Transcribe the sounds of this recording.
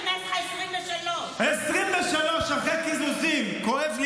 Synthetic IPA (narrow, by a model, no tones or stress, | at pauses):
l | esʁimveʃaloʃaχekizuzimkoevl